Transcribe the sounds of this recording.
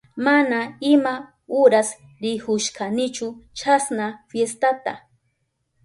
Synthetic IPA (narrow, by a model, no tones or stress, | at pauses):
manaɪma | ʊɾas | ɾɪhʊʃkanɪt͡ʃʊt͡ʃasnafjest̪at̪a̰